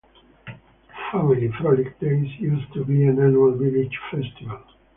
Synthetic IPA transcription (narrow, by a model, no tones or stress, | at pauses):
familifɾɔlik̚beisjust̪ubiãnanualvilid͡ʒfɛst̪ival